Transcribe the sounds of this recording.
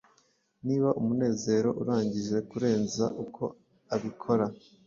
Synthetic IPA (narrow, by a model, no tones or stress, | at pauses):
niːβaʔumune̞ːze̞ːɾo̞̰ʔuɾaːɲɟiʒe̞kuɾe̞ːnza̰ʔukʰo̞̰ | aβikʰo̞ɾa